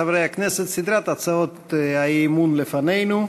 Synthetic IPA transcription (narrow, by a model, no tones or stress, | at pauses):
avɾɛjaknɛset̪sid̪ɾat̪at͡saot̪aiːmunlefanɛjnu